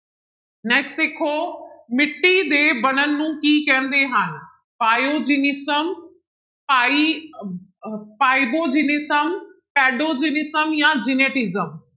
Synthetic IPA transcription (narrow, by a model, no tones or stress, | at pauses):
neːksʈɪkʰoːmɪʈːid̪eːbɐnənɪːũːkiːkɐjə̃nd̪eɦaːnɪ̆ | paːjod͡ʑinɪsəm | paːi | paːibod͡ʑiːnɪsəmpɛːɖod͡ʑiːnɪsəmjad͡ʑɪneːʈɪzəm